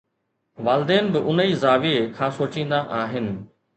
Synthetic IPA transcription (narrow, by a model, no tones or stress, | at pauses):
ʋaːlɪd̪eːnɪbɪʔʊniːzaːʋiekʰãːsoːt͡ɕĩːn̆d̪aʔaːɦɪnɪ̆